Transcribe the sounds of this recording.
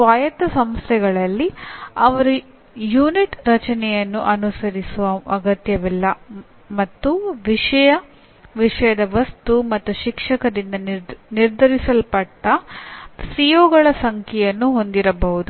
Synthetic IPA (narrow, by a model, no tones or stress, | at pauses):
ʋaːjɐt̪ɐsɐmst̪ʰɛɡɐɭɐlːiɐʋɐɾu | juːniʈɾɐt͡ʃɐnɛjɐnːuʔɐnusɐɾisuʋɐɐɡɐt̪jɐʋilːɐ | mɐt̪ːuʋiʂɐjɐ | ʋiʂɐjɐd̪ɐʋɐst̪umɐt̪ːuʃikʂɐkɐɾind̪ɐniɾd̪ʱɐɾisɐlpɐʈːɐ | sijoːɡɐɭɐsɐŋkʰɛjɐnːuɦo̞nd̪iɾɐbɐɦud̪u